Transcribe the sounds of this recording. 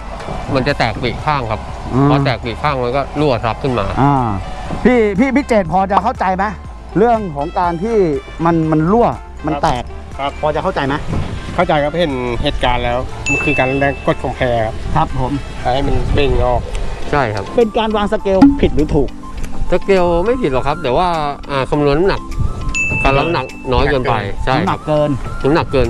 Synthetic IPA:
ma˧nt͡ɕa˨˩t̪ɛː˨˩k̚pi˨˩t̚kʰaː˥˩ŋkʰa˦˥p̚ | ʔpʰːɔː˧t̪ɛː˨˩k̚pi˨˩kʰaː˥˩ŋma˧nkɔː˥˩lu˥˩ɐt̪ʰa˦˥p̚kʰɯ˥˩nma̰ː˧ʔaː˧˩pʰiː˥˩pʰiː˥˩pʰi˦˥t͡ɕeː˨˩t̪̚pʰɔː˧t͡ɕa˨˩kʰa˥˩wt͡ɕa˧jma˦˥ | ɾɯ˥˩əŋkʰɔː˩˦ŋkaː˧nt̪ʰiː˥˩ | ma˧nma˧nlu˥˩ə | ma˧nt̪ɛː˨˩k̚ | pʰɔː˧t͡ɕa˨˩kʰa˥˩t͡ɕa˧jma˦˥kʰa˥˩wt͡ɕa˧jkʰa˦˥phe˨˩nheː˨˩t̪̚kaː˧nlɛː˦˥wma˧˩nkʰɯː˧kaː˧la˧˥˩na˥˩ŋkʰo˧˥˩t̪̚kʰo˧˩mpʰɛː˧kʰa˦˥p̚kʰɾa˦˥pʰːo˩˦m | haː˨˦hma˧nme˥˧˨ŋŋɔː˥˩k̚t͡ɕʰa˥˩jkʰa̰˦˥p̚pe˧nkaː˧nwaː˧ŋsa˧˥ke˧wpʰi˨t̪̚ɾɯː˩˦t̪ʰuː˨˩k̚ | sa˧ke˧wma˥˩jpʰi˨˩t̪̚lɔ˨˩kʰa˦˥p̚t̪ɛː˨˩waː˥˩ʔaː˨˧˩kʰa˧mnu˧nːa˥na˨˩k̚ka˧˩la˦˧na˨˩k̚nɔː˦˥jkkɤː˧npa˧jt͡ɕʰa˥˩˦jna˨˧˩kːɤː˧nt̪ʰɯ˨˩˦na˨˩kːɤː˧n

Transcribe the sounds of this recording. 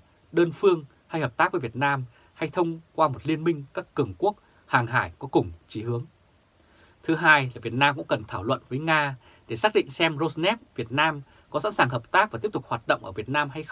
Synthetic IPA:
ɗəː˧nfɨ˧əŋ | ha˧jhəː˨˩p̚t̪aː˦˥k̚və˨˦vi˨˩ət̚naː˧m | ha˧jt̪ʰə˧wŋ͡mkwaː˧mo˨˩t̚li˧ənmï˧ŋ̟kaː˦˥kːɨ˨˩əŋku˦˥ək̚ | haː˨˩ŋɦaː˧˩jkɔ˨˦kʊ˨˩ŋ͡mt͡ɕi˨˦hɨ˨˦əŋ | t̪ʰɨ˨˦ɦaː˧jlaː˨˩vi˨˩ət̚naː˧mkʊ̰˧˥ŋ͡mkə˨˩nt̪ʰaː˧˩wlwə̰˧˨nvəː˨˦jŋaː˧ | ɗe˧˩saː˦˥k̚ɗḭ̈˧˨ŋsɛ˧mzo˧znɛ˦˥p̚vi˨˩ət̚naː˧m | kɔ˨˦sa̰˧˥nsaː˨˩ŋɦəː˨˩p̚t̪aː˦˥k̚va˨˩t̪pt̪ʊ˨˩ha˨˩t̚ɗə̰˧˨ŋ͡mʔəː˧˩vət̚naː˧mɦa˧jx

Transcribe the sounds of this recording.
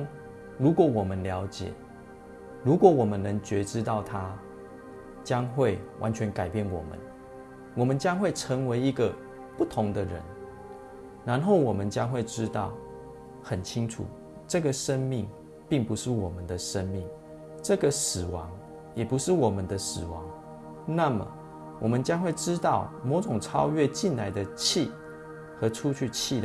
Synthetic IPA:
lu˨˥kwɔ˨˦wɔ˨˩mə˦nljɑ˧˦ʊt͡ɕjɛ̰˨˩ | lu˨˥kwɔ˨˩˦wɔ˨˩mə˦nːə˧˦ŋt͡ɕɥɛ˨˥ʈ͡ʂɻ̩˦t̪ɑ˥˨ʊt̪ʰa˦ | t͡ɕja˦ŋxwe˥˩ɪwʔa̰˧˦nt͡ɕʰɥɛ˧˦nka˨˩ɪpjɛ˥˩˨nwɔ̰˨˩mə̰˨˦n | wɔ˨˩mə˨˦nt͡ɕja˥ŋxwe˥˩ɪʈ͡ʂʰə˧˥ŋwe˧ɪi˧˦ɡə˨ | pu˥˨t̪ʰʊ˧˦ŋd̪ə˨ɻə̰˧˦n | na˧˦nɦo˥˩ʊwɔ˨˩mə˨nt͡ɕja˦˥ŋxwe˥˩ɪʈ͡ʂɻ̩˦t̪ɑ˥˨ʊ | xə˨˩nt͡ɕʰi˦ŋʈ͡ʂʰṵ˨˩ | ʈ͡ʂɤ˥˩ɡə˨ʂə˦nmi˥˨ŋ | pi˥˩ŋpu˨˦ʂɻ̩˥˩wɔ˨˩mə˨nd̪ə˨ʂə˦˥nmi˥˩ŋ | ʈ͡ʂɤ˥˨ɡə˨sɹ̩˨˩wɑ̰˧˦ŋ | jɛ˨˩pu˧˦ʂɻ̩˥˩wɔ˨˩mə˦nd̪ə˨sɹ̩˨˩wɑ̰˨˦ŋ | na˥˨mə̰˩ | wʔɔ˨˩mə˨˦nt͡ɕja˥ŋxwe˥˩ɪʈ͡ʂɻ̩˦t̪ɑ˥˩ʊmɔ˨˧˥ʈ͡ʂʊ˨˩ŋʈ͡ʂʰɑ˥ʊɥɛ˥˧t͡ɕi˥˨nla˧˥ɪd̪ə˧t͡ɕʰi˥˨ | xɤ˨˧˥ʈ͡ʂʰu˥˦t͡ɕʰy˥˧t͡ɕʰi˥˨d̪

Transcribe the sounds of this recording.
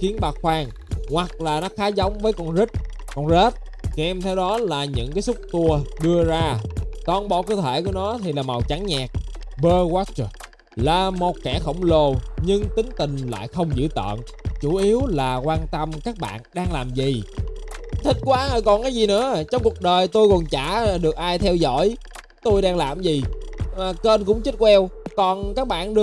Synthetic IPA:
xi˨˦ənɓaː˨˩xwaː˧ŋ | hwa˨˩k̚laː˨˩nɔ˨˦xaː˨˦za˨˦wŋ͡mvəː˨˦jkɔ˧nzï˦˥k̚ | kɔ˧˩nze˦˥t̚ | ki˧˩ʔɛ˧mt̪ʰɛ˧wɗɔ˨˦laː˨˩ɲɨ̰˧˥ŋkaː˨˦jsʊ˦˥k͡p̚t̪u˧əɗɨ˧əzaː˧t̪ɔ˨˩nɓɔ̰˧˨kɨ˧˩t̪ʰe˧˩ku˧˩ənɔ˨˦t̪ʰi˨˩laː˨˩ma˨˩wt͡ɕa˨˦ŋɲaː˨˩k̚ɓəː˧ɣɔ˦˥t͡ɕ | laː˨˩mo˨˩t̚kɛ˧˩xə̰˧˩wŋ͡mlo˨˩ɲɨ˧ŋt̪ï˨˦ŋ̟t̪ï˨˩ŋ̟la̰ː˧˨jxə˧wŋ͡mzɨ̰˧˥t̪ə̰ː˧˨n | t͡ɕu˧˩ʔi˨˦əwlaː˨˩kwaː˧nt̪ə˧mkaː˦˥k̚ɓa̰ː˧˨nɗaː˧ŋlaː˨˩mzi˨˩ | t̪ʰï˦˥t̟̚kwaː˧˥haː˧˩jkɔ˨˩nkaː˨˦jzi˨˩nɨ̰˧˥ət͡ɕɔ˧wŋ͡mku˨˩ək̚ɗəː˨˩jt̪o˧jkɔ˨˩nt͡ɕaː˧˩ɗɨ˨˩ək̚ʔaː˧jt̪ʰɛ˧wzɔ̰˧˥˨j | t̪o˧jɗaː˧ŋlaː˨˩mzi˨˩ʔːkə˧nkʊ̰˧˥ŋ͡mt͡ɕi˦˥t̚kwɛ˧wkɔ˨˩nkaː˦˥k̚ɓa̰ː˧˨nɗɨ˧

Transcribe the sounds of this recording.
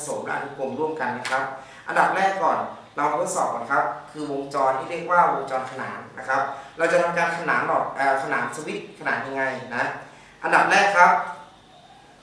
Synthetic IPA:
so˩˦mla̰˦˥ʔa̰˧nu˦˩ko˧˩mɾu˥˩əmka˧nːa˦˥kʰa˦˥p̚ | ʔa̰˧nda˨˩p̚ɾɛː˥˩kːɔː˨˩n | la˧wka˧t̪ʰt̪sɔː˨˩p̚kɔː˨˩nkʰa˦˥p̚kʰɯː˧wo˧ŋt͡ɕɔː˧nt̪ʰiː˥˩ɾi˥˩k̚waː˥˩wo˧ŋt͡ɕɔː˧nkʰa˧na̰ː˩˦nːa̰˦˥kʰa˦˥p̚ɾa˧wt͡ɕa˨˩t̪ʰa˧mkaː˧nkʰa˧naː˩˦mlɔː˨˩k̚ʔaː˨˩kʰa˧naː˩˦msa˧wi˦˥t̪̚kʰa˧naː˨˩˦n̚ɲa˧ŋːa˧jna˦˥ | ʔa˧nda˨˩p̚ɾɛː˥˩kʰːa˦˥p̚

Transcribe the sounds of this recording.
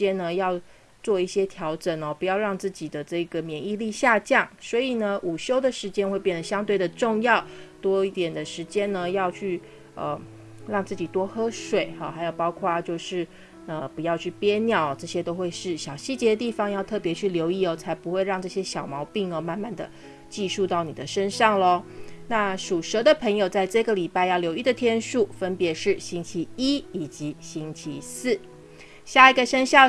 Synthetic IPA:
ɛ˥nnə˧jɑ˥˧ʊ | t͡swɔ˥˧i˥˩ɕjɛ˥t̪ʰjɑ˧˥ʊʈ͡ʂə˨˩nə˩pu˧˥jɑ˥˧ʊɻɑ˥˧ŋt͡sɹ̩˥˩t͡ɕi˨˩d̪ə˩ʈ͡ʂɤ˥˩i˧˩ɡə˩mjɛ˨˩˦ni˥˧li˥˧ɕja˥˧t͡ɕjɑ˥˩ŋswɔ˧˥i˨˩nə˦ʔu˨˩ɕjo˥ʊd̪ə˨ʂɻ̩˧˥t͡ɕjɛ˥nxwe˥˧ɪpjɛ˥˩nd̪ə˨˩ɕjɑ˥ŋt̪we˥˩ɪd̪ə˩ʈ͡ʂʊ˥˧ŋjɑ˥˩ʊt̪wɔ˥i˥˩t̪jɛ˨˩nd̪ə˩ʂɻ̩˧˥t͡ɕjɛ˥nnə˨jɑ˥˧ʊt͡ɕʰy˥˩ | ə̰˧ | ɻɑ˥˧ŋt͡sɹ̩˥˩t͡ɕi˨˩t̪wɔ˥xɤ˥ʂwe˨˩ɪɐ˨˩xa˧˥ɪjo˨˩ʊpɑ˥ʊkʰwa˥˧t͡ɕjo˥˧ʊʂɻ̩˥˩ | ə˧pu˧˦jɑ˥˧ʊt͡ɕʰy˥˩pjɛ˥njɑ˨˩˦ʊ˩ʈ͡ʂɤ˥˩ɕjɛ˥t̪o˥ʊxwe˥˧ɪʂɻ̩˥˩ɕjɑ˨˩ʊɕi˥˩t͡ɕjɛ˧˥d̪ə˧t̪i˥˩fɑ˥ŋjɑ˥˧ʊt̪ʰɤ˥˩pjɛ˧˥t͡ɕʰy˥˩ljo˧˥ʊi˥˩ɔ˧˩t͡sʰa˧˥ɪpu˧˥xwe˥˧ɪɻɑ˥˧ŋʈ͡ʂɤ˥˩ɕjɛ˥ɕjɑ˨˩ʊmɑ˧˥ʊpi˥˩ŋə˧ma˥˧nma˥˩nd̪ə̰˩ | t͡ɕi˥˧ʂu˥˧t̪ɑ˥˩ʊni˨˩d̪ə˦ʂə˥nʂɑ˥˩ŋlə˨na˥˩ʂu˨˩ʂɤ˧˥d̪ə˧pʰə˧˥ŋjo˨˩ʊt͡sa˥˧ɪʈ͡ʂɤ˥˩ɡə˩li˨˩pa˥˧ɪjɑ˥˩ʊljo˧ʊi˥˩d̪ə˩t̪ʰjɛ˥nʂu˥˩fə˦npjɛ˧˥ʂɻ̩˥˩ɕi˥ŋt͡ɕʰi˧˥i˥i˨˩t͡ɕi˧˥ɕi˥ŋt͡ɕʰi˧˥sɹ̩˥˩ | ɕja˥˩i˧˥ɡə˨ʂə˥nɕjɑ˥˩

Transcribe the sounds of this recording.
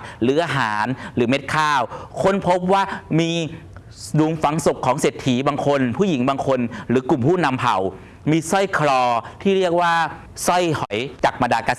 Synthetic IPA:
ɾɯː˩˦ʔaː˧ɦaː˩˦nɾɯː˩˦me˦˥t̪̚kʰaː˥˩wkʰo˧˥npʰo˦˥p̚waː˥˩miː˧ | duː˨˦ŋfa˩˦ŋso˨˩kʰːɔː˩˦ŋseː˨˩t̪ʰːiː˨˩˦baː˧ŋkʰo˧npʰuː˥˩ji˩˦ŋbaː˧ŋkʰo˧nɾɯː˩˦ku˨˩mpʰuː˥˩na˧mpʰa̰˨˩w | miː˧sɔ˥˩jkʰɾɔː˧t̪ʰiː˥˩˧ɾi˥˩ək̚waː˥˩ | sɔ˥˩jhʰɔ˩˦jt͡ɕaː˨˩k̚ma˧ndaː˧kaː˧˨˩

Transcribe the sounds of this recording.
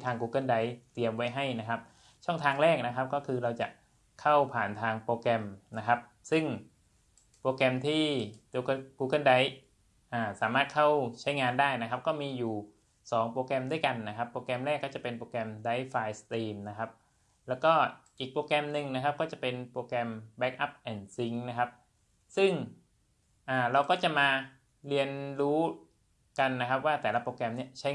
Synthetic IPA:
t̪ʰaː˧ŋkuː˧kɤ˥˩nda˦˥jt̪i˧əmwa˦˥jɦa˥˩jna˦˥kʰa˦˥p̚ | t͡ɕʰɔ˥˩ŋt̪ʰaː˧ŋɾɛː˥˩k̚na˦˥kʰa˦˥p̚kɔː˥˩kʰɯː˧ɾa˧wt͡ɕa̰˨˩ʔ | kʰa˥˩wpʰaː˨˩nt̪ʰaː˧ŋpoː˧kɛ˧mna˦˥kʰa˦˥p̚ | sɯ˥˩ŋ | poː˧kɛ˧mt̪ʰiː˥˩o˧kkuː˧kɤ˥˩nda˦˥j | ʔaː˧˩saː˩˦maː˥˩t̪̚kʰa˥˩wt͡ɕʰa˦˥jŋaː˧ndaː˥˩jna˦˥kʰa˦˥p̚kɔː˥˩miː˧juː˨˩ | sɔː˩˦ŋpoː˧kɛ˧mdu˥˩jka˧nːa˦˥kʰa˦˥pːoː˧kɛ˧mɾɛː˥˩kːɔː˥˩t͡ɕa˨˩pe˧npoː˧kɛ˧mda˦˥jfaː˧jst̪iː˧mna˦˥kʰa˦˥p̚ | lɛː˦˥wkɔː˥˩ʔiː˨˩k̚pɾoː˧kɛ˧mnɯ˨ŋna˦˥kʰa˦˥p̚kɔː˥˩t͡ɕa˨˩pe˧npɾoː˧kɛ˧mbɛ˦˥k̚ʔa˦˥p̚ʔɛː˨˩nsi˦˥ŋna˦˥kʰa˦˥p̚ | sɯ˥˩ŋ | ʔaː˨˩ɾa˧wkɔː˥˩t͡ɕa˨˩maː˧ | ɾi˧ənɾuː˦˥ | ka˧nːa˦˥kʰa˦˥p̚waː˥˩t̪ɛː˨˩la˦˥poː˧kɛ˧mni˥˩ət͡ɕʰa˦˥

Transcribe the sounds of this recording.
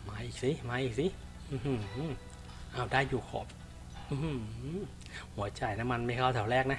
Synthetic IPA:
maː˧˥ʔiː˨˩k̚si˧˥˦maː˧˥ʔiː˨˩k̚si˧˥ | ʔɯː˧˩hɯ˧˩˧ | ʔaː˧˩wdaː˥˩jːuː˨˩kʰo̰ː˨˦p̚ | ʔɯː˨˧˩ | hu˨˩˦ɐt͡ɕa˧˩jna˦˥ma˧nma˥˩jkʰaː˥˩wt̪ʰɛ˨˩˦wɾɛː˥˩k̚na˦˥

